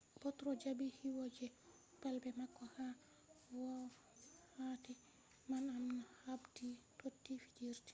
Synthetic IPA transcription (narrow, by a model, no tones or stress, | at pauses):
bɔtɾɔd͡ʒabihiwɔd͡ʒɛ | palbɛmakːɔha | wɔ | hatɛ | manamnahabditotːifid͡ʒiɾti̥